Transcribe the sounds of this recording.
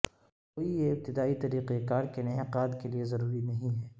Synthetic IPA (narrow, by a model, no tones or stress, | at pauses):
koːijeɪb̚t̪ɪd̪aːit̪ɐɾiːqekaːɾkenɐɦeqaːd̪keliezɐɾuːɾinɐɦĩɦɛː